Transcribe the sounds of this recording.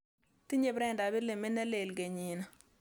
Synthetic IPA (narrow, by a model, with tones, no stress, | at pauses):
ti˦ɲe˦bɾɛ˦nda˨bɪ˦le˨me˦nɛ˦le˨lɡe˨ɲi˨na˨